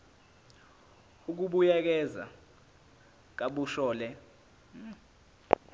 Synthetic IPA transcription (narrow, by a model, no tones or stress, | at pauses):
uk̬uɓujak̬ɛza̰ | k̬aɓuʃɔːlɛ